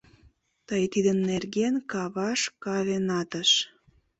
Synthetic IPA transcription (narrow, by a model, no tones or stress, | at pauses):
t̪əjt̪id̪ənːerɣenkɑβɑʃkɑβenɑt̪əʃ